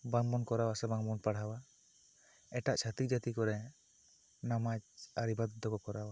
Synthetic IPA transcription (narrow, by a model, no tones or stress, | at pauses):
baŋɔnkɔɾawasɛbaŋmɔnpaɽ̤awa | ɛʈaʔt͡ʃʰat̪ik̚d͡ʒat̪ikɔɾɛ | namat͡ʃaɾibad̪d̪ɔkɔkɔɾawa